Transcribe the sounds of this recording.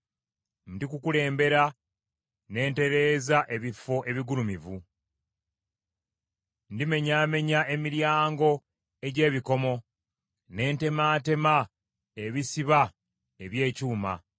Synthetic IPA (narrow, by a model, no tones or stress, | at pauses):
ndikukule̞ːmbe̞ɾa | ne̞ːnte̞ɾe̞ːzaʔe̞βifo̞ʔe̞βiɡuɾumivu | ndime̞ɲaːme̞ɲae̞miɾjaːŋɡo̞ | e̞ɟe̞ːβiko̞mo̞ | ne̞ːnte̞maːte̞ma | eβisiβa | e̞βje̞ːcuːma̰